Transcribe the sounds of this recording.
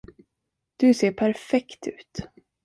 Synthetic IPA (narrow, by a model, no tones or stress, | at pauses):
d̪̥ɵseːɾpʰæɾfɛkt̪ʰʉ̟̰ːt̪